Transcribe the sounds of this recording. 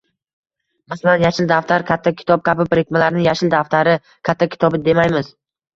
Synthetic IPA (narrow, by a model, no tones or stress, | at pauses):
masalanjaʃɪld̪aft̪ʰaɾkʲʰat̪ʰːakʲʰɪ̥t̪ʰɒp̚kʲʰabɪpɾɪkʲmalaɾnɪjaʃɪld̪aft̪ʰaɾɪ | kʲʰat̪ʰːakʲʰɪ̥t̪ʰɒbɪd̪e̞majmɪz